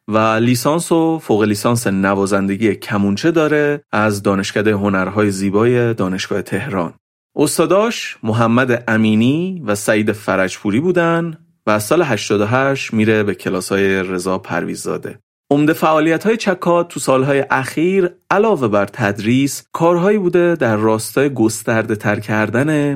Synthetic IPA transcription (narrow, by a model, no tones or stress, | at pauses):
væliːsɒːnsofoːɣeliːsɒːnsenævɒːzænd̪e̞ɟijecʰæmunt͡ʃʰe̞d̪ɒːɾe̞æzd̪ɒːne̞ʃcæd̪ejɦo̞næɾɦɒːjeziːbɒːje̞d̪ɒːne̞ʃɡ̥ɒːhe̞t̪ʰe̞hɾɒ̰ːn | ʔo̞st̪ɒːd̪ɒːʃmoɦæmːæd̪eʔæmiːniːvæsæiːd̪e̞fæɾæd͡ʒpʰuːɾiːbuːd̪æn | væːzsɒːle̞ɦæʃt̪ɒːd̪oɦæʃt̪miːɾe̞be̞cʰe̞lɒːsɒːje̞ɾe̞zɒːpʰæ̰ɾvḭːzːɒ̰ːd̪e̞̰ | ʔo̞md̪e̞fæʔɒːlijæt̪hɒːjet͡ʃʰækʰːɒːt̪ʰːusɒːlɦɒːje̞ʔæxiːɾælɒːve̞bæɾt̪ʰæd̪ɾiːskʰɒːɾɦɒːiːbuːd̪e̞d̪æɾːɒːst̪ɒːjeɡo̞st̪æɾd̪e̞t̪ʰæɾcʰæɾd̪æne